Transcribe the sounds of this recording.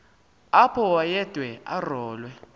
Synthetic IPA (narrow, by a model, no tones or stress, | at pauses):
apʰɔwajɛd̥ʱwɛʔa̰rɔːlwɛ